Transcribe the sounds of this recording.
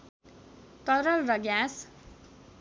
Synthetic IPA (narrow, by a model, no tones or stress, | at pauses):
t̪ʌɾʌlrʌɡjas